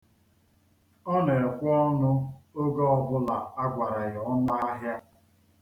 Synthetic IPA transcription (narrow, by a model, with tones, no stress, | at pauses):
ɔ˦ne˨kʷʊ˦ɔ˦nʊ˦o˦ɡɔ˦ɔ˨bʊ˦la˨a˦ɡʷa˨ɾa˨ɣɔ˦n˦a˦ɦja˦